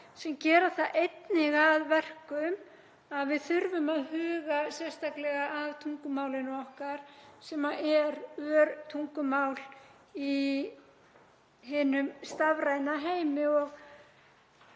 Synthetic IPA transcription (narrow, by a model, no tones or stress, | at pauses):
sɛmcɛːɾaθaðʔejt̪nɪɣaðvɛr̥kʏm | aðvɪðθʏɾvʏmaðhʏːɣasjɛst̪aklɛɣaʔavt̪ʰuŋkʏmaːwlɪnɔhkaɾ̥sɛmaʔɛɾœœɾt̪ʰuŋkʏmawl | i | ɦɪːnʏmst̪avɾajnaɦeːjmɪɔɣ